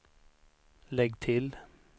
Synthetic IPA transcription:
lɛɡt̪ʰɪl

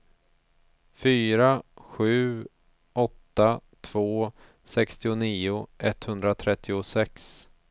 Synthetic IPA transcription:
fyːɾaɧʉ̟ː | ɔt̪ːat̪ʰv̥oː | sɛkst̪ɪʊniːʊʔɛt̪ːhɵnd̪ɾat̪ʰɾɛt̪ʰːɪʊsɛks

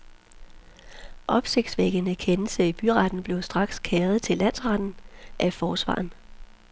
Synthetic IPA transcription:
ʔɒ̽b̥se̝ɡ̥d̥sʋeɡ̥ənəkʰenəlsəib̥yʁɑd̥n̩b̥le̝ʊsd̥ʁɑ̈ɡ̥skʰɛːɐð̞̩ˠt͡sʰe̝lːæn̰sʁɑd̥n̩ʔæfɒːsʋɑ̰̈ːn̩

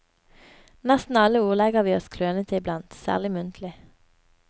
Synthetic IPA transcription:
næst̪n̩ɑləuːʁlɛɡəʁʋiːɔskʰløːnət̪ʰɪɪblɑnt̪sæ̰ːʁlɪmʉnt̪ʰlɪ

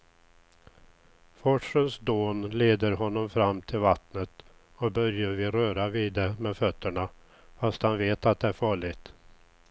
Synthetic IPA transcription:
fɔʂənsd̪oːnleːd̪əɾɦɔnːɔmfɾamːt̪ʰɪlvat̪nət̪ | ɔk̚bœɾjəɾvɪɾœːɾavɪːd̪ɛmɛfœt̪ːəɳa | fast̪hanveːt̪at̪̚d̪ɛæɾfɑːɭɪɡt̪

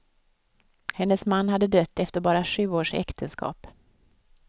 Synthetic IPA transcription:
hɛnːəsmanːhad̪ːəd̪œt̪ːɛft̪əɾbɑːɾaɧʉ̟ːoːʂɛ̰kt̪ʰənskʰɑ̰ːp

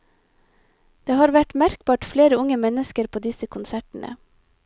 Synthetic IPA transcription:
d̪̥eːhɑːɾʋæʈmæɾk̚bɑːʈfleːɾəʊŋəmɛnəskəɾpʰoːd̪ɪsəkʰʊnsæʈn̩ʔə̰

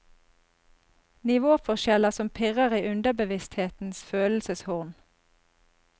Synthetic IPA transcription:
nɪʋoːfɔʃɛləsɔmpʰɪʁəʁiːʔʉnd̪əbəʋɪst̪heːt̪n̩sføːll̩səshʊʁn

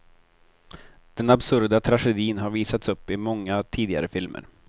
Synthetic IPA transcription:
d̪̥ɛnabsɵɾd̪at̪ʰɾaɧɛd̪iːnɦaɾviːsat̪sɵpːɪmɔŋːat̪ʰiːd̪ɪɡa̰ɾəfɪlmʔə̰ɾ

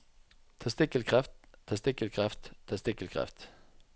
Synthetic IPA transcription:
t̪ʰɑst̪ɪkəlkʰʁaft̪t̪ʰːɑst̪ɪkəlkʰʁaft̪ʰːɑst̪ɪkəlkʰʁa̰ft̪

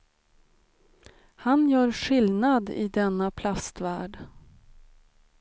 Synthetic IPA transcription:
hanjœːɾɧɪlnad̪ɪ̰d̪ɛnːapʰlast̪væːɖ

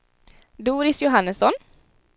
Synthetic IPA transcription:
d̪uːɾɪsjʊɦɑnəsɔn

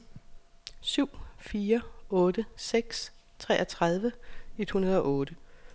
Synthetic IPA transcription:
syʊ̰fiːɐɔ̽ːd̥əseɡ̥s | t͡sʰʁɛ̰ːʔɒt͡sʰʁɑð̞ˠʋəe̝d̥hunɐð̞̩ˠɒ̽ʔɔ̽ːd̥ə

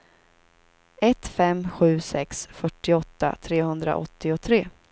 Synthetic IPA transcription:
ɛt̪fɛmɧʉ̟ːsɛksfœʈːɪɔt̪ːa̰t̪ʰɾeːhɵnd̪ɾa̰ʔɔ̰t̪ːɪʊt̪ʰɾeː

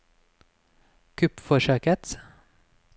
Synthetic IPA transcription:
kʰʉpfɔʃøːkət̪

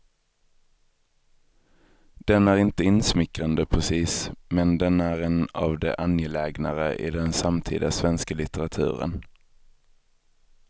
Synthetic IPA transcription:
d̪̥ɛnæɾɪnt̪əɪnsmɪkɾand̪əpʰɾɛsiːsmɛnd̪ɛnæɾɛna̰vd̪ɛ̰ʔanjɛlɛːɡnaɾəʔɪ̰d̪ɛnsamt̪ʰḭːd̪asvɛnskalɪt̪ɛɾat̪ʰʉ̟̰ːɾə̰n

